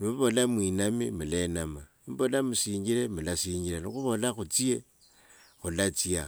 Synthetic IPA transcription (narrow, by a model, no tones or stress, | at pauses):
nimuβo̞lamwinamimulenama | mbolamusiːɲɟiɾemulasiːɲɟilanixuβo̞laxut͡sie | xulat͡sia